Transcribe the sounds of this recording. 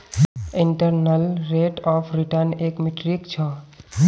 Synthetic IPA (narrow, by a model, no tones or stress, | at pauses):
iɳʈəɾnəlɾeʈɔpʰɾiʈəɾnekmiʈɾikt͡ʃʰɔ